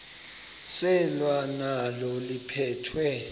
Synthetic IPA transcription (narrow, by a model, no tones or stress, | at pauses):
sɛlwanalɔlipʰɛːtʰwɛ